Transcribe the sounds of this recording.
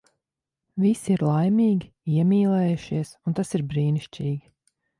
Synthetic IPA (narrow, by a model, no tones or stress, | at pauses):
visiiɾlˠajmʲiːɡʲi | iɛmʲiːlˠɛːjuʃiɛsunt̪asiɾbɾiːniʃt͡ʃʲiːɡʲi